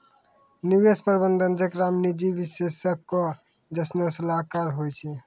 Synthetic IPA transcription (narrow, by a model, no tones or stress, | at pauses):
nibespəɾibənd̪ənd͡ʒəkɾamnid͡ʒibisesəkːɔ | d͡ʒəsnosəlakaɾɦojt͡ʃʰɛ